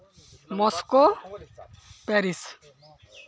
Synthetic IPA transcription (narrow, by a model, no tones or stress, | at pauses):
mɔsko | peɾis